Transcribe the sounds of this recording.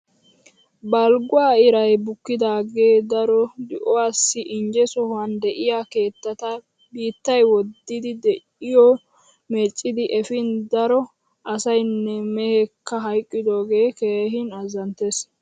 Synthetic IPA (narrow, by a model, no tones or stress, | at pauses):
bɐlɡʊwaːɪɾɐjbʊkːɪd̪aːɡeːd̪ɐɾɔd̪ɪʔɔwaːsːɪʔɪnd͡ʒɛsɔhɐnd̪ɛʔɪjake̞ːt̪ːɐt̪ɐ | biːt̪ːɐjwɔd̪ːɪd̪ɪd̪ɛʔɪjɔ | mɛt͡ʃʼːɪd̪ɪʔɛfɪnd̪ɐɾɔ | ʔɐsɐjnːɛmɛhɛkʰːɐɦɐjkʼːɪd̪oːɡe̞ːkeːɦɪnɐzɐnt̪es